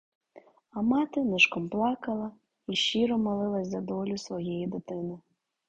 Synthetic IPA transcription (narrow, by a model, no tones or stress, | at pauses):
ɐmɑt̪ɪnɪʃkɔmplˠɑkɐlˠɐ | iʃiɾɔmɐlˠɪlˠɐsʲzɐd̪ɔlʲʊsʋɔjɛjid̪ɪt̪ɪnɪ